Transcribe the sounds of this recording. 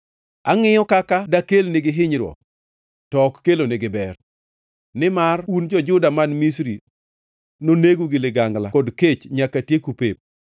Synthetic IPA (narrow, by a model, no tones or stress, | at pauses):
a̰ŋɪjɔkakadakelnɪɡɪɦɪɲɾwɔ̰ | tɔkːelonɪɡɪbɛr | nɪmarund͡ʒɔd͡ʒʊdamanmisɾi | noneɡuɡɪlɪɡaŋlakɔdket͡ʃɲakatjekupep̚